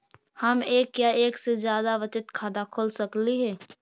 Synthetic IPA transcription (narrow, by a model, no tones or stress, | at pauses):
hɐmeːkːjaeːksezjaːd̪aʋɪt͡ʃɪt̪kʰaːd̪akʰoːlsɐkliɦɛː